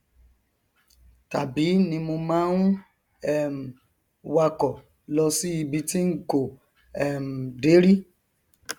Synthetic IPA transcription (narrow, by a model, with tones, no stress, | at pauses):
ta˨bi˨˦nĩ˧mo˧mãː˦n˦ | ɛ˦˨m̩˨ | wa˧kɔ˨ | lɔ˧si˦i˧bi˧ti˦ŋ̩˦ko˨ | ɛ˨m̩˨de˨˦ɾi˦